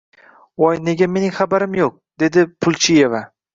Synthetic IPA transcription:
wɒjne̞ɡʲame̞nɪŋʲχabaɾɪmjoq̚d̪̥e̞d̪ɪpʰʊlˠt͡ʃʰije̞va

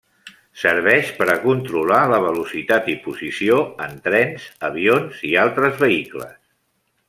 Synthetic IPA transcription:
səɾβ̞ɛʃpəɾəkunt̪ɾulaləβəlusit̪at̪ipuzisioənt̪ɾɛnzəβ̞ionzialˠt̪ɾəzβəiklə̰s

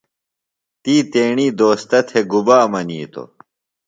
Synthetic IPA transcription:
t̪iːt̪eːɳiːd̪oːst̪ɐt̪ʰeɡubaːmɐniːt̪o̰

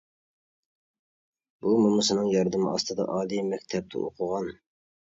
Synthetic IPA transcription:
b̥umumʊsɨnɨŋjɑɾd̪ɨmɨ̰ʔɑst̪ɨd̪ɑ̰ʔɑːlijmɛkʲt̪ʰɛp̚t̪ʰɛ̰o̰qʰʊʁɑn

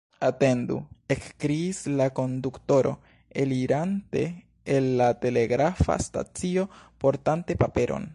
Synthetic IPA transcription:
ate̞ndṵe̞kkɾiːslako̞ndukto̞ɾo̞̰ | e̞liɾante̞ː | nːate̞le̞ɡɾafa̰sta̰t͡sio̞po̞ɾtante̞pape̞ɾʔo̰n

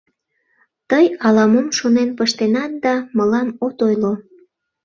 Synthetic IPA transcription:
t̪əjɑlɑmomʃonenpəʃt̪enɑt̪̚d̪ɑməlɑmot̪ojlo

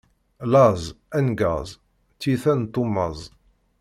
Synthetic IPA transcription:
lɑzˤ | ænɡɑ̰zˤ | t͡sːiθænt̪ːumːɑzˤ

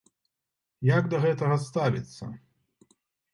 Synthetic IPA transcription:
jaɡd̪ɐɣɛt̪ɐɣɐst̪avʲḭt̪sːɐ̰

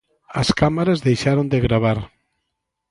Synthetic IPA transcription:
askamaɾazðejʃaɾond̪eɣɾaβ̞aɾ

